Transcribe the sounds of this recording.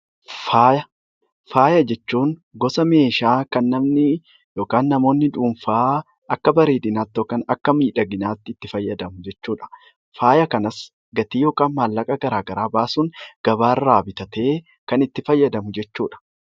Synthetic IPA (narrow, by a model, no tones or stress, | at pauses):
faːjɐ | faːjɐd͡ʒɛt͡ʃːuːŋɡɔsɐme̞ːʃaːkɐnːɐmnɪ | jo̞ːkaːnːɐmo̞ːnːɪd̪uːnfaː | ʔɐkːɐbɐɾeːd̪ɪnaːt̪ːokːɐnɐkːɐmiːᶑɐɡɪnaːt̪ːɪt̪ːɪfɐjːɐd̪ɐmʊd͡ʒɛt͡ʃːuːᶑɐ̥ | faːjɐkɐnɐs | ɡɐt̪iːjo̞ːkaːnmaːlːɐkʼɐɡɐɾaːɡɐɾaːbaːsuːŋɡ̥ɐbaːrːaːbɪt̪ɐt̪e̞ː | kɐnɪt̪ːɪfɐjːɐd̪ɐmʊd͡ʒɛt͡ʃːuːᶑɐ̥